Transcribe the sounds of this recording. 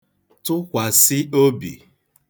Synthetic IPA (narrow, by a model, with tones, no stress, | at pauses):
tʊ˦kʷa˨sɪ˦o˦bḭ˨